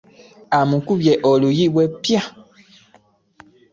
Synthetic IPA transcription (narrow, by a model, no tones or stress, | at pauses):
amũkubjɛʔɔlujiwɛpia